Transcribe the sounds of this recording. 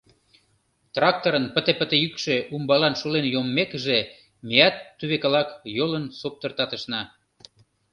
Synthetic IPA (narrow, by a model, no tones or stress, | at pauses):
t̪rɑk̚t̪oɾənpət̪epət̪ejykʃeʔumbɑlɑnʃolenjomːekəʒe | mejɑt̪ːyβekɑlɑkjolənsop̚t̪ə̆rt̪ɑt̪əʃnɑ